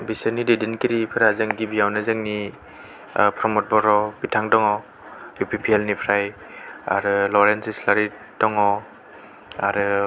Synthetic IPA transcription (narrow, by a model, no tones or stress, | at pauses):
bisaɾnidedinkiɾipʰɯɾazaŋɡibijawnazɯŋni | pʰɾɔmɔt̚bɔɾɔbitʰaŋdɔŋɔ | jupipʰielnipʰɾaj | a̰ɾɯlɔɾensislaɾi | d̥ɔŋɔ | aɾɯ